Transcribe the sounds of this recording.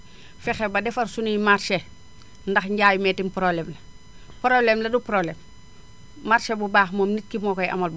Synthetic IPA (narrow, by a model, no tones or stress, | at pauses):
fɛxɛbɐdɛfɐrsunijmarʃe | ndɐxɲɟaːjmɛːtimpɾoblɛmlɐ | pɾoblemlɐdupɾoblemː | aɾʃebubaːxmoːmnit̚kimɔːkɔjʔɐ̰mɐlbu